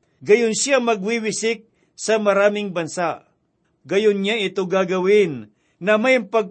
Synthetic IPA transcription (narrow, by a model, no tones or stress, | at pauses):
ɡɐjʊnsjamɐɡwiwɪsɪk̚ | sɐmɐɾaːmɪŋbɐnsaʔ | ɡɐjʊnɲaʔɪt̪oɡaːɡɐwɪnː | ɐmajmpɐɡ̚